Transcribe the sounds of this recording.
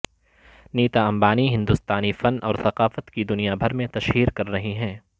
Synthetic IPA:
niːt̪aɐ̃mbaːniɦɪ̃nd̪ust̪aːnifɐnɔ̰ːɾθɐqaːfət̪kid̪ʊnijabʱɐɾmẽt̪ɐʃɦiːɾkɐɾːɐɦiɦɛ̃ː

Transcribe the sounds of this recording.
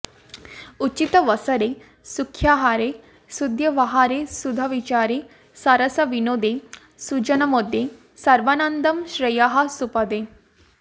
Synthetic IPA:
ut͡ʃit̪ɐʋɐsɐɾe | sukʰːjaɦaːɾe | sud̪jɐʋɐɦaːɾesud̪ʱɐʋit͡ʃaːɾe | sɐɾɐsɐʋinoːd̪e | sut͡ʃɐnɐmod̪ʱje | sɐɾʋɐnɐnd̪ɐmʃɾɐjaɦɐsupɐd̪e

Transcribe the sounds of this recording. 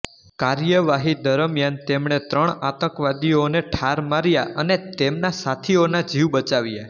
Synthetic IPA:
kaɾjəʋaɦid̪əɾəmjant̪emɳ̃et̪ɾəɳat̪ə̃kʋad̪ioneʈʰaɾmaɾjaʔənet̪emnasat̪ʰionad͡ʒiʋbət͡ʃaʋja

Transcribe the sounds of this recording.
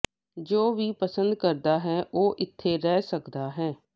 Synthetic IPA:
d͡ʒoːʋiːpəsənd̪̚kəɾd̪aːɦɛːʔoːʔɪt̪ʰːeːɾɛːsəkd̪aːɦɛː

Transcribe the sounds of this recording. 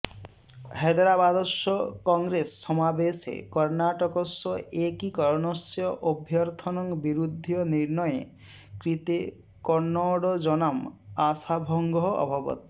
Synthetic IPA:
hed̪ɾabad̪ɔsɔkɔŋɡɾesːɔmabesḛkɔɾnaʈɔkɔsɔʔekikɔɾɔnɔsjɔʔobʱjɔɾt̪ʰɔnɔŋbiɾud̪ʱːjɔniɾnɔjḛ | kɾit̪e | kɔɾnːɔɽɔd͡ʒɔnamasabʱɔŋɡɔɦɔɔ̰bʱɔbɔ̰t̪i

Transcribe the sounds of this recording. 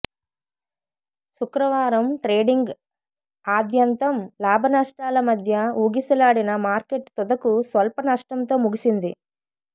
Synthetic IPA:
sukɾɐʋaːɾɐmʈɾeːɖiŋɡ | aːd̪jɐnt̪ɐmlaːbʱɐnaʂʈaːlɐmɐd̪ʱjɐuːɡisɐlaːɽinɐmaːɾke̞ʈt̪ɔd̪ɐkusʋɐlpɐnɐʂʈɐmt̪o̞ːmuɡisind̪i

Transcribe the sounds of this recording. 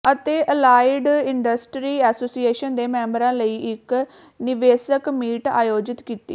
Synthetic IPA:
ət̪eːʔəlaːɪɖɪɳɖəsʈɾiːɛːsoːsieːʃənd̪eːmɛ̃ːmbəɾãːləiːʔɪk | nɪʋeːsəkmiːʈa̰ːjoːd͡ʒɪt̪kiːt̪ḭː

